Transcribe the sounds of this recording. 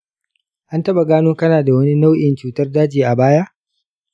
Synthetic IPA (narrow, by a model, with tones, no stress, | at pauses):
ʔa˦ntɐ˦ɓa˨ɡaː˦noː˦kɐ˦naː˨da˨wɐ˦ni˦na˦wʔɪ˨nt͡ʃuː˦tɐ˦rdaː˦d͡ʒiː˨ʔa˨baː˦ja˦ʔ